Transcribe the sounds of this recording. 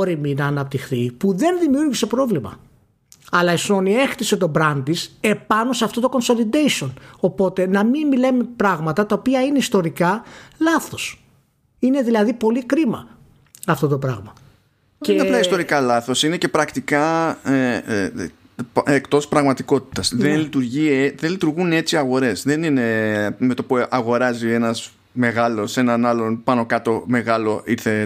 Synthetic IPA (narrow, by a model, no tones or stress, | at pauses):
ɾiminɐːnɐp̚t̪ixθipuðe̞nðimiuɾʝise̞pɾo̞vlimɐ̰ | ɐlɐeso̞nie̞xt̪iset̪o̞bɾɐnd̪ise̞pɐno̞seɐft̪o̞t̪o̞ko̞nso̞lid̪ejsio̞no̞po̞t̪e̞nɐmimilemepɾɐɣmɐt̪ɐt̪ɐo̞piɐineist̪oɾikɐlɐθo̞s | ine̞ðilɐðipo̞likɾimɐ | ɐft̪o̞t̪o̞pɾɐ̰ɣmɐ | nɐplɐist̪o̞ɾikɐlɐθo̞sine̞ce̞pɾɐkt̪ikɐe | ekt̪o̞spɾɐɣmɐt̪iko̞t̪i̥t̪ɐsðenlit̪uɾʝieðenlit̪uɾɣune̞t͡siɐɣo̞ɾe̞sðe̞nine̞me̞t̪opuɐɣo̞ɾɐzie̞nɐz | me̞ɣɐlo̞se̞nɐnɐlo̞npɐno̞kɐt̪o̞me̞ɣɐlo̞ʔiθe̞